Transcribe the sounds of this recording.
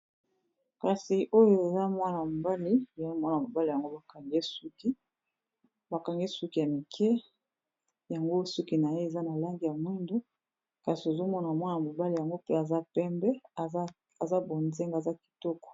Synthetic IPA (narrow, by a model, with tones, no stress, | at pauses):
ka˨si˨ʔo˦jo˦e˨za˦mwa˦na˨mo˨ba˦li˦e˨˦mwa˦na˨mo˨ba˦li˨ja˨ŋɡo˦ba˨ka˨ŋɡe˦su˦ki˦ | ba˨ka˨ŋɡe˦su˦ki˨ja˨mi˨kʰɛ˦ | ja˨ŋɡo˦su˦ki˨na˨je˦e˨za˦na˨la˦ŋɡi˨ja˨mwi˦ndo˦ | ka˨si˨o˨zo˦mɔ˦na˨mwa˦n˨a˨mo˨ba˦li˨ja˨ŋɡo˦pe˦a˨za˦pɛ˦mbɛ˦˨˦ | a˨za˦bo˨nze˦ŋɡa˨za˦ki̥˨tɔ˦kɔ̥˨